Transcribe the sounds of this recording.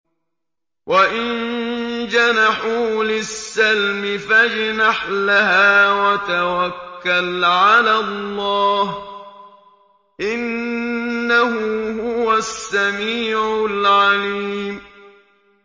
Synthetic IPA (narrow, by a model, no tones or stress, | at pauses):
wʔaʔɪnd͡ʒanaħuːlɪsːalmɪfad͡ʒnaħlaɦaːwat̪awakːalʕalalˤːɑːh | ʔɪnː | aɦʊhʊwasːamiːʕʊlʕaliːm